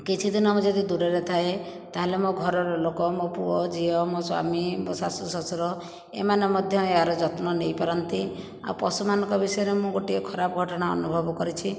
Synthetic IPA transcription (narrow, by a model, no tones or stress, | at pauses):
kit͡ʃʰid̪inɔmũd͡ʒɔd̪id̪uɾeɾet̪ʰaet̪aɦelemoɡʱɔɾɔɾɔlokɔmopuɔd͡ʒiɔmoswa̰mibɔsasusɔsɔɾɔ | ḛmanemɔd̪ʱjɔeɦaɾɔd͡ʒɔt̪nɔnejpaɾɔnt̪i | a̰wpɔsumanɔŋkɔbisɔjɔɾemũɡoʈiekʰɔɾapɔɡʱɔʈɔɽ̃aɔ̰nubʱɔbɔkɔɾit͡ʃʰi